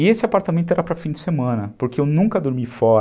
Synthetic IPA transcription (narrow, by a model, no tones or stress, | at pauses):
ɪesɪapaɾt̪amẽnt̪ʊeɾapɾɐfĩd͡ʒɪsemɐ̃nɐpoɾkeewnũŋkɐd̪oɾmifɔɾ